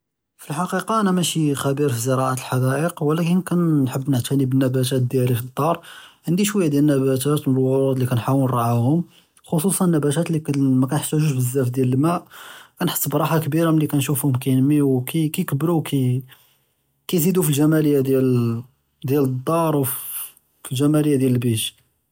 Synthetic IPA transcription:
filħɑqiqɑʔænæmæʃixæbiɾfizəɾɑʕat̪əlħɑd̪æʔəqwəlækənkænːħəbːnəʕt̪ænibənːæbæt̪̬æt̪̚d̪jælifid̪ˤːɑɾˤʕənd̪iʃwəjːad̪jælnːæbæt̪æt̪mənəlwʊɾud̪ˤlikænħawənɾˤɑʕahʊm | xos̬ˤusˤɑnənːæbæt̪æt̪likmækænħə̥sːuʒuʒbəzːæfd̪jæləlmæʔkænħə̥sˤːbɾˤɑħakbiɾaməlːikænʃufhʊmkæjnmiwkikæjkəbːɾukʰi | kæjzid̪ufilʒæmæləjːad̪jæl | d̪jæləd̪ˤːɑɾˤwf | filʒæmæləjæd̪jæləlbiʃ

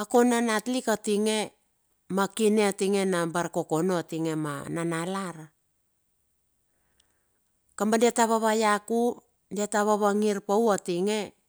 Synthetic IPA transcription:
akonanatlikatiŋe̞ | makineatiŋenabaɾkokonoatiŋe̞ma̰nanalaɾa | kambandiataβaβajaku | diataβaβaŋiɾpawatiŋe̞

